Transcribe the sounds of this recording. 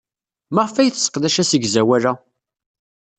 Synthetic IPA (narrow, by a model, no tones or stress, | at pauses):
məʁfæjθsə̥qðæʃæsəɡzæwælæ